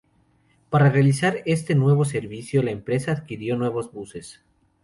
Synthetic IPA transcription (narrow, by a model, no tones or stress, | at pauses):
paɾarealisaɾe̞st̪e̞nwe̞β̞o̞se̞ɾβisjo̞laempɾe̞saːðkiɾjo̞nwe̞β̞o̞zβuse̞s